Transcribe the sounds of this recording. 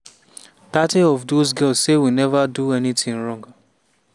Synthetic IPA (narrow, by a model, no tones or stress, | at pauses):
tatiɔvdozɡɛlssewinɛvaduɛnitɪ̃ŋɹɔ̃ŋɡ